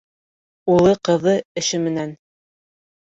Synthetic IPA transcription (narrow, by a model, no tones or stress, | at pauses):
ulˠɤqɤ̆ðɤɘ̆ʃɘmɘ̆næn